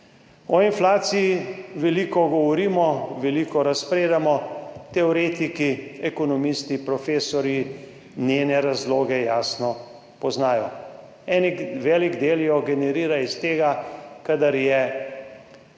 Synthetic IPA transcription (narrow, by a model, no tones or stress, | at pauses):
ɔinflaːt̪siiʋɛliːkɔɡɔʋɔɾiːmɔʋɛliːkɔɾaspɾeːd̪amɔt̪ɛɔɾeːt̪ikiɛkɔnɔmist̪ipɾɔfeːsɔɾji | nʲeːnɛɾazloːɡɛjaːsnɔ | pɔznaːjɔ̰ | ɛniʋɛːliɡd̪eːljɔɡɛnɛɾiːɾaist̪eːɡakad̪aɾjɛ